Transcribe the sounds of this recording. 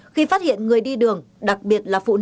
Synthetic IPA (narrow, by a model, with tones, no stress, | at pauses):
xi˧faː˦˥t̚hḭ˧˨ənŋɨ˨˩əjɗi˧ɗɨ˨˩əŋ | ɗa˨˩k̚ɓi˨˩ət̚laː˨˩fṵ˧˨n